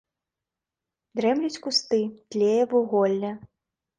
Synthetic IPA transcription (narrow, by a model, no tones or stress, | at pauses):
d̪ɾɛmlʲit͡sʲkust̪ɨt̪lʲejɛvuɣɔlʲnʲɐ